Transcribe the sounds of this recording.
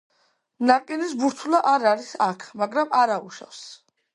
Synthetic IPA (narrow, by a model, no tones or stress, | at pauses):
naqʼinisbuɾt̪ʰulaʔaɾaɾisakʰmaɡɾamaɾauʃa̰fs